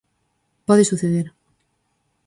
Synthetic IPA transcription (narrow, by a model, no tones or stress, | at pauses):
pɔðeɪsuθeðeɾ